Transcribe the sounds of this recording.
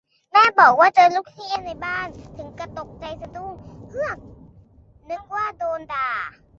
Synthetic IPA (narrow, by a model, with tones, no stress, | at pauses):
mɛː˥˩bɔː˨˩k̚waː˥˩t͡ɕɤː˧luː˥˩k̚t̪ʰi˦˧˨na˧jbaː˥˩nt̪ʰɯ˩˦ŋka˧t̪o˨˩k̚t͡ɕa˧jsa˧duː˥˩ŋkʰɯ˥˩əŋ | nɯ˦˥ŋwaː˥˩doː˧ndaː˧